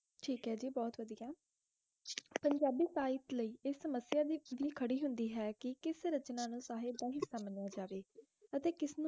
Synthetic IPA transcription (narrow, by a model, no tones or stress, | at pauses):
ʈʰiːkɦɛːd͡ʒiːbɔːt̪ʋəd̪ijaː | pəɲd͡ʒaːbiːsaːɪt̪ləiːɪsːəməsɪjaːd̪ʋiːkʰəɽiːɦʊnd̪iːɦɛːkɪkɪsɾət͡ʃnãːnũːsaːɦed̪aːɦɪsaːmənjaːd͡ʒaːʋeː | ət̪eːkɪsnũː